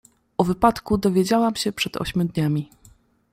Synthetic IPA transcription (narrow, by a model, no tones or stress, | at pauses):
ʔɔvɘpat̪kud̪ɔvʲjed͡ʑawamɕɛpʂɛd̪ɔ̰ɕmʲud̪ɲamʲi